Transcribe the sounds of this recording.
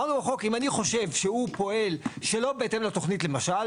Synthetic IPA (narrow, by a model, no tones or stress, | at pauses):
anuʁaχo̞kimaniχo̞ʃe̞vʃehupo̞e̞lʃe̞lo̞beete̞mlat̪o̞χnitle̞maʃal